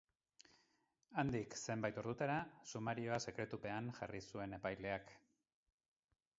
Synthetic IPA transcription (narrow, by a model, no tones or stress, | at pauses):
and̪ikse̞mbajt̪o̞ɾðut̪aɾasumaɾio̞ase̞kɾe̞t̪upe̞anʝa̰risue̞ne̞pajle̞ak